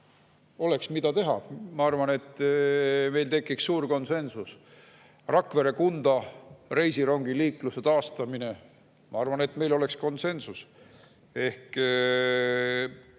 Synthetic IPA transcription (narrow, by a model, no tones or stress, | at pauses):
o̞le̞ksmid̪̥ɑt̪e̞ɦɑ̰mɑɑrvɑne̞t̪ːˑ | me̞jlt̪e̞kːˑiksːuːɾko̞nse̞nsus | rɑkve̞ɾe̞kund̪̥ɑre̞jsiɾoŋɡ̥iliːkluse̞t̪ɑːst̪ɑmine̞ | mɑɑrvɑne̞t̪me̞jlo̞le̞ksko̞nse̞nsus | e̞hk